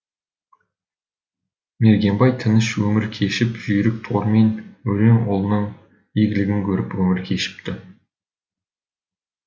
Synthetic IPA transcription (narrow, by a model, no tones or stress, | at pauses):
me̞ɾɡʲe̞mbɑjt̪ʰɪnɪʃwɵmɪɾkʲʰe̞ʃɪpʒʏjɾɪk̚t̪ʰoɾme̞nwɵɾeŋolˠənəɴ | iɡʲɪlɪɡʲɪŋkʲʰɵɾɪpwɵmɪɾkʲʰe̞ʃɪ̥p̚t̪ɪ